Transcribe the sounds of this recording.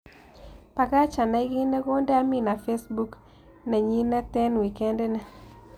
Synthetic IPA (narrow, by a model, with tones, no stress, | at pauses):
pa˨ka˦t͡ʃa˨na˨i˦ɡi˦nɛ˦ko˦ndɛ˦a˦mi˦na˨fe˦sbu˦k | nɛ˨ɲi˦nɛ˦tɛ˦nwi˨kɛ˦nde˦nɛ˨